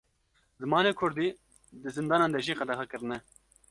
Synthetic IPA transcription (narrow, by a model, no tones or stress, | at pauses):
zɨmɑːneːkʰʊɾd̪iː | d̪ɨzɨnd̪ɑːnɑːnd̪ɛʒiːqɛd̪ɛxɛkɨɾɨnɛ